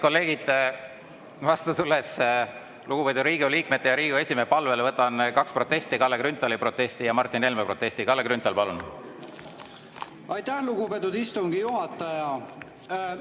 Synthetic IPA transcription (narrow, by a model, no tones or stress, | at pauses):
ko̞lːe̞ːɡ̥id̪̥ | vɑst̪ɑt̪ulːes | luɡ̥upet̪uɾiːɡoliːkmet̪ːejɑɾiːɡ̥ue̞sʲimepɑlvelvɤt̪ːˑɑnkɑkspro̞t̪ːˑest̪ikɑlːekɾynt̪ːˑɑlipro̞t̪ːˑe̞st̪ijɑmɑrt̪ːˑine̞lmepro̞t̪ːe̞sʲt̪ikɑlːekɾynt̪ːˑɑlpɑlun | ɑjt̪æhluɡupet̪ːud̪̥ist̪uŋɡ̥ijuɦɑt̪ːˑɑjɑ